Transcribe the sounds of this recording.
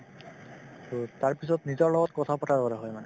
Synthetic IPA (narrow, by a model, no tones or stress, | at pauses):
totaɹpisɔtnizɔɹlɔɡɔt̚kɔtʰapɔtʰaɹbɔɾaɦɔjmanɛ